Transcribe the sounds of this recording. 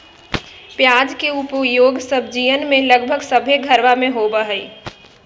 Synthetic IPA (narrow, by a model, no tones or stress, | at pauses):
pjaːd͡ʒkeupjoːɡsəb̚d͡ʒijənmẽləɡbʱəɡsəbʱeɡʱəɾʋamẽɦobəɦəi